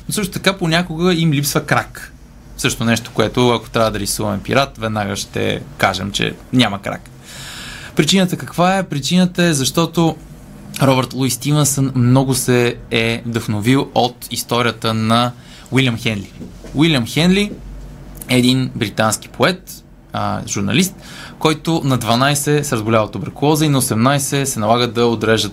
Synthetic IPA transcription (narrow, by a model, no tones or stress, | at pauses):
nosɤʃt̪ot̪ɐkaponʲakoɡəimlipsvəkɾak | fsɤʃt̪onɛʃt̪o̥koɛt̪oɐko̥t̪ɾʲavəd̪ɐɾisuvɐmɛpḭɾat̪vɛd̪naɡəʃt̪ɛ̰kaʒɛ̰mt͡ʃɛ̰nʲaməkɾa̰k | pɾit͡ʃinət̪əkɐkvaɛpɾit͡ʃinət̪əɛzɐʃt̪ɔt̪o | ɾɔbəɾt̪lˠujst̪ivɛnsənmnɔɡʊsɛːvd̪ɐxnovilˠot̪ist̪ɔɾʲiət̪ənɐ | wilʲjɐmxɛnd̪liwilʲjɐmxɛnd̪li | ɛːd̪inbɾit̪ansk̟i̥pʰoɛt̪ | ʒuɾnɐ̰list̪kɔjt̪ʊnɐd̪vɐnajsɛsɛɾəzɡʊlʲavət̪obɾɐkʊlˠɔzəinɐosɛmnajsɛsɛnɐlˠaɡəd̪ɐod̪ɾɛʒət̪